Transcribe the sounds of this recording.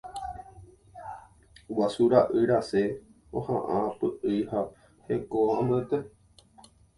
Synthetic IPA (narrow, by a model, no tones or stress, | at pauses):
wasuɾaʔɨɾase | ohã̰ʔapɨʔɨha | hekoãmet̪e